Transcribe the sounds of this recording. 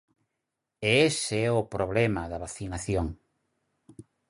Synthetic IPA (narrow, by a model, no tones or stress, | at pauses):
eeseɛʊpɾoβlɛmɐðɐβaθinaθjoŋ